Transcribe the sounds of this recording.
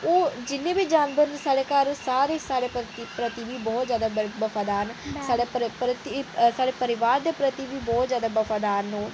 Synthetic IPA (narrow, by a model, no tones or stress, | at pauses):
oːd͡ʒɪnːẽːbiːd͡ʒaːnbəɾnsaːɽeːkəɾsaːɾeːsaːɽeːpt̪ipɾət̪iʋiːbɔːt̪zjaːd̪aːbəfʰaːd̪aːɾnsaːɽeːppɾət̪isaːɽeːpəɾɪʋaːɾd̪eːpɾət̪iːʋiːbɔːt̪zjaːd̪aːbəfʰaːd̪aːɾnõː